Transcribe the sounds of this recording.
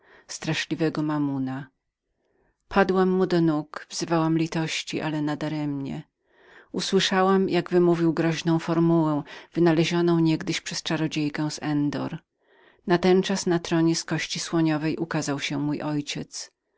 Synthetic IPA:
st̪ɾaʂlʲivɛɡɔmamuna | pʰad̪wamːud̪ɔnukvz̥ɘvawamlʲit̪ɔɕt͡ɕḭʔa̰lɛnad̪aɾɛmɲɛ̰ | uswɘʂawamjʔaɡvɘmuvʲiwɡɾɔʑnɔ̃w̃fɔɾmuwɛw̃v̥ɘnalɛʑɔnɔ̃w̃ɲɛɡd̪ɘɕpʂɛst͡ʂaɾɔd͡ʑejkɛw̃zɛnd̪ɔ̰ɾ | nat̪ɛnt͡ʂasnat̪ɾɔɲɛskɔɕt͡ɕiswɔɲɔvɛjʔukazawɕɛmujʔɔjt͡ɕɛt̪s

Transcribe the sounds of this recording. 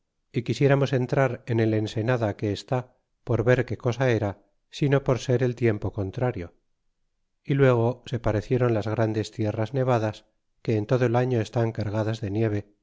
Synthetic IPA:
ikisje̞ɾamo̞se̞nt̪ɾaɾene̞le̞nse̞naðake̞ːst̪a | po̞ɾβe̞ɾke̞ko̞sae̞ɾa | sino̞po̞ɾse̞ɾe̞lt̪je̞mpo̞ko̞nt̪ɾaɾjo̞ | ilwe̞ɣ̞o̞se̞paɾe̞θje̞ɾo̞nlazɣɾand̪e̞st̪je̞razne̞β̞aðas | ke̞ːnt̪oðoe̞laɲo̞e̞st̪aŋkaɾɣaðazðe̞nje̞β̞e̞

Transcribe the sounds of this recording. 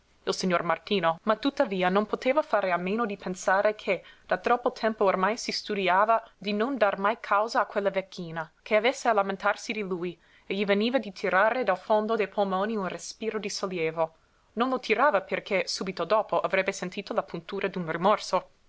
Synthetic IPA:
ilsiɲːormart̪iːnomat̪ːut̪ːaviːanonpot̪eːvafaːɾeameːnod̪ipʰensaːɾekʰed̪̥at̪ɾɔpːot̪ʰɛmpoːrmajsist̪ud̪iaːvad̪inond̪armajkʰawzaːkwelːavekʰːiːnakʰeavesːealament̪arsid̪iluj | eʎiveniːvad̪it̪ʰiɾaːɾed̪alfond̪od̪ejpʰolmoːniunrespiːɾod̪isoljeːvo | nonlot̪ʰiɾaːvaperkʰesuːbit̪od̪oːpoʔavɾɛbːesent̪iːt̪olapunt̪uːɾʔad̪unrimɔrso

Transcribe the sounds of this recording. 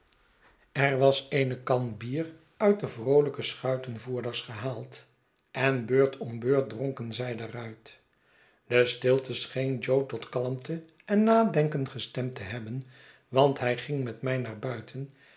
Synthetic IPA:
ɛrʋɑsejnəkɑnbiːr | œɥt̚dəvrowləkəsχœɥtənvuːɹdəɹsχəɦaːlˠt | ɛnbøːɹtʰɔmbøːɹt̚droŋkənzɛjdaːrœɥt | d̥əstɪlˠtəsχejnd͡ʒowtɔtkɑlˠəmtə | ɛnːaːdɛŋkəntχəstɛmtəɦɛbən | ʋɑntɦɛjχɪŋmɛtmɛjnaːɹbœɥtʰən

